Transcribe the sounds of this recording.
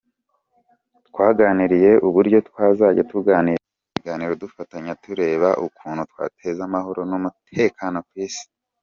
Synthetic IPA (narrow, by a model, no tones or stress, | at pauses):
twaːɡaːniɾije̞ʔuβuɾɟjo̞tkwaːzaːɟetuɡaːni | ɡaːniɾodufataɲatuɾe̞ːβaʔukuːnhutwa̰ːtʰe̞zamaɦo̞ɾo̞numutʰe̞kano̞kwiːsi̥